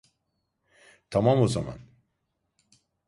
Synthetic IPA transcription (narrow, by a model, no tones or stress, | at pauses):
t̪ʰamamoza̰ma̰n